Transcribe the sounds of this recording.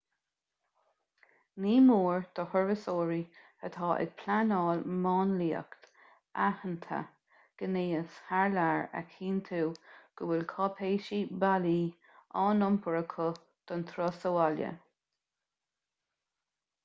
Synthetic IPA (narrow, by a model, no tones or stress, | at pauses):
niːmuːɹd̪̥əhɔɹvəsoːɹi | ət̪ʰɑːʔɪ̰ɡ̥̚pʰlanɑːlmɑːnliːə̰kt̪ | ahənt̪ʰə̰ | ɡ̥əneːəshaɹlaɹa̰kʰhiːnt̪ʰuːɡ̥əwɪlkʰɑːpʰeːʃibaliː | ɑːnɔmpəɹəkʰɔ | d̪̥ɔnt̪ʰɾɔsəaljə̰